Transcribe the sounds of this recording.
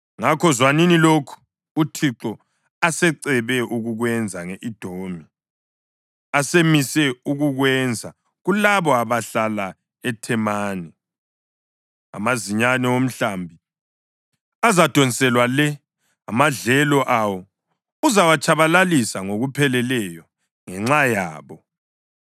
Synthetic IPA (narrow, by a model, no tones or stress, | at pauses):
ŋakʰɔzwaninilokʰu̥ː | tʰiǁɔ | asɛǀɛβɛʔuɣuɣwɛnd͡zʱaŋeʔid̥ʱoːmi | asemisɛuɣuɣwɛnd͡zʱa | ɣulaβɔaβaɬala | ɛtʰɛmaːni | a̰maziɲanɛom̩ɬambʱi | azad̥ʱɔnisɛlwalɛ | amaɮɛlɔʔawɔ | uzawat͡ʃʰʼaβalalisaŋoɣupʰɛlɛlɛjɔ | ŋɛŋ͡ǁajaːβɔ